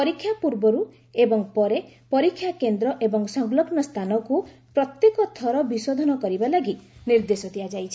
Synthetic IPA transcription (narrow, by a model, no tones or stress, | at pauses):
pɔɾikʰːjapuɾbɔɾu | ebɔŋpɔɾepɔɾikʰːjakend̪ɾɔʔebɔŋsɔŋlɔɡnɔst̪ʰanɔkupɾɔt̪jekɔt̪ʰɔɾɔbisod̪ʱɔnɔkɔɾibalaɡit̪niɾd̪esɔt̪ʰiad͡ʒajt͡ʃʰi̥